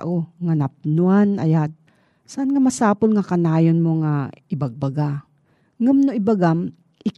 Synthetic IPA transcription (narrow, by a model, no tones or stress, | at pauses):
ʔoŋanap̚nuanʔa̰jad̪̚ | saʔanŋamasaːpolŋakanaːjonmoŋaɪbaɡ̚baɡa | ŋamnoʔɪbaɡam | ʔɪ